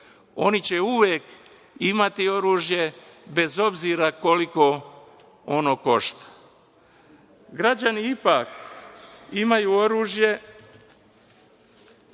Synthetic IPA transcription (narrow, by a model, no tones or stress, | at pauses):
o̞̰nit͡ɕe̞uʋjek | imat̪io̞ɾuːʒje̞ | be̞zo̞bziɾako̞liko̞ | onoːko̞ʃt̪ḁ | ɡɾad͡ʑaniipak | imajuo̞ɾuːʒje̞